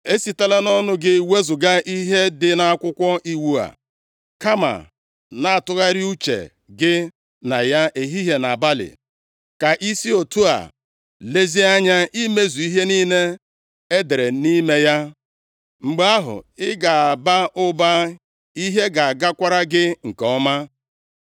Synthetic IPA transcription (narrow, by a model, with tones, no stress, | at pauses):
e˦si˨ta˦la˦nɔ˦nʊ˦ɡɪ˦we˦zʊ˨ɡa˦ʔi˦ɦe˦dɪ˦na˨a˦kʷʊ˦kʷɔ˦ʔi˦wu˦a̰˨ | ka˦ma̰˨ | na˨a˨tʊ˦ɣa˦ɾɪ˦u˦t͡ʃḛ˨ | ɡɪ˦ | na˨ja˦ʔe˨ɦi˦ɦe˨na˨ba˦lɪ̰˨ | ka˨ʔi˦si˦o˨tu˦a̰˨ | le˦zi˦a˦ɲa˦ʔi˦me˦zu˨i˦ɦe˦ni˦ne˦ | e˦de˨ɾe˨ni˦me˦ja˦ | ŋ͡m̩˨ɡ͡ba˦ɦʊ̰˨ɪ˦ɡa˨a˨ba˦ʔʊ˦ba˦ | i˦ɦe˦ɡa˨a˨ɡa˦kʷa˦ɾa˦ɡɪ˦ŋ̩˨kɔ˦ma˦